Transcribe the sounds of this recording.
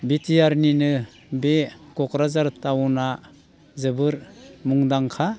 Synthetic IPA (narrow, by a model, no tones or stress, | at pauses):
bitijaɾninɯ | bekɔkɾazaɾtawna | zɯbɯɾmuŋdaŋkʰa